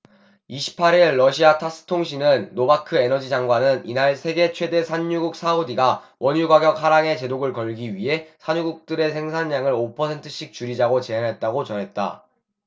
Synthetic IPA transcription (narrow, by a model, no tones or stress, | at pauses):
iɕʰi̥pʰaɾiɭːʌɕʰiatʰas͈ɯ̥tʰoŋɕ̬ʰinɯnːobakʰɯe̞nʌd͡ʑid͡ʑaŋɡwanɯninaɭsʰe̞ɡe̞t͡ɕʰwe̞de̞sʰaɲːuɡuk̚s͈ʰaodiɡa | wʔʌɲjuɡaɡjʌk̚haɾaŋe̞t͡ɕe̞doɡɯɭkʌɭɡiɥiɦe̞sʰaɲuɡuk̚t͈ɯɾe̞sʰe̞ŋsʰaɲːaŋɯɾopʰʌsʰe̞ntʰɯɕ͈ʰik̚t͡ɕuɾid͡ʑaɡot͡ɕe̞anɦe̞t̚t͈aɡot͡ɕʌnɦe̞t̚t͈a̰